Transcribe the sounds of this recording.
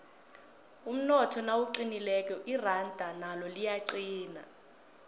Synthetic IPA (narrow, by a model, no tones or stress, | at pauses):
um̩nɔtʰɔnawuǃinilɛkɔʔirandʱanalɔlijaǀiːna̰